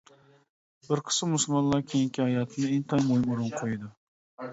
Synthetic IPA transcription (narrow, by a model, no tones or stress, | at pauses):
bɪɾqʰɨ̥sɨmːʊsʊlˠmɒnlˠɑɾkʲʰejiŋʲkʲʰɪhajɑt̪ʰɪnɪeŋt̪ʰajmojmʊɾʊnqʰojɪd̪ɪ